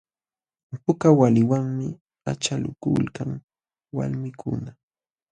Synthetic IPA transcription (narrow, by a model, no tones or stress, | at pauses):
pʊkawalɪwaŋmɪ | a̰t͡ʃalʊkʊlkaŋ | wa̰lmɪkʰʊna